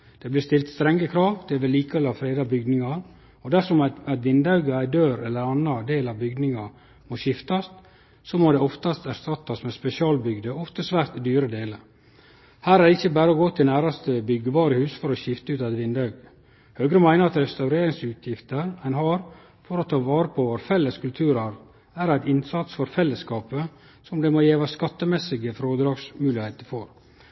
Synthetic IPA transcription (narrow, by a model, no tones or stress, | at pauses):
d̪̥ɛblɪst̪ɪlt̪st̪ɾɛŋːəkʰɾɑːʋd̪̥ɛæʋɛlːiːkəʋɛlɑʋfɾeːd̪ɑbʏɡnɪŋɑɾ | ɔd̪æʂɔmææt̪ʋɪnd̪ɑʉɡəæɪd̪øːɾɛlːəɾɑnːɑd̪eːlɑʋbʏɡ̪nɪŋɑ | moɕɪft̪ɑs | somod̪ɛɔft̪ɑst̪æɾst̪ɑt̪ːɑsmɛspɛsɪɑːlbʏɡd̪əɔft̪əsʋæːɾt̪d̪yːɾəd̪eːləɾ | hæːɾæɖ̪ɛɪçːəbæːɾəoɡoːt̪ʰɪlnæːɾɑst̪əbʏɡːəʋɑːɾəhʉːsfɔɾɔɕɪft̪əʉːt̪ɑt̪ʋɪnd̪ɑʉɡ | høːɡɾəmæɪnəɾɑt̪ɾɛst̪ɑʉɾeːɾɪŋsʉːt̪ʰjɪft̪əɾæɛɪnhɑɾ | fɔɾɔt̪ʰɑːʋɑːɾəpʰɔʋɔɾfɛlːəskʰʉlt̪ʰʉːɾɑɾ | æɾæɪt̪ɪnsɑt̪sfɔɾfɛlːəskɑːpə | sɔmd̪ɛmojeːʋɑskɑt̪ːəmɛsɪɡəfɾoːd̪ɾɑːɡsmʉːlɪheɪt̪əɾfɔɾ